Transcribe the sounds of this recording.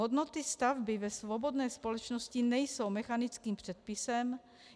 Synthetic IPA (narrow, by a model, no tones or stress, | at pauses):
ɦod̪no̞t̪ɪst̪avbɪvɛsvobo̞d̪nɛːspo̞lɛt͡ʃnoscɪnɛjso̞wmɛxanɪt͡skiːmpr̝̥ɛt̪̚pɪsɛm